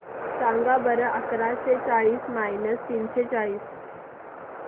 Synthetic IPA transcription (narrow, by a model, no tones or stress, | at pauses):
sãŋɡabəɾəʔəkɾaɕet͡saɭiːsmajnəst̪iːnɕet͡saɭiːs